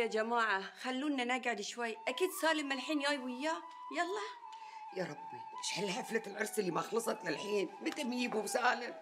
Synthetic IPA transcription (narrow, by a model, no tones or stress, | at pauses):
ad͡ʒamaːʕaxalːuːnːanaɡʕɪd̪ʃwajːʔakiːd̪saːlɪmalħiːnjaːjwɪjːaː | jɑlˤːɑː | jɑɾˤɑbːimɪʃhalhaflalʕʊɾˤsˤɪlːimaxlɑsˤɑt̪jalħiːnmɪt̪ɪmjiːbusaːlɪ